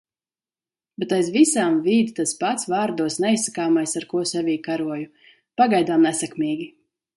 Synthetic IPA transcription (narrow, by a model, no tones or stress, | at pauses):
bɛt̪ajzvisaːmviːd̪it̪at̪spat̪svaːɾd̪uɔsnɛisakaːmajsaɾkuɔsɛvʲiːkaɾuɔju | paɡajd̪aːmnɛsɛkmiːɡʲi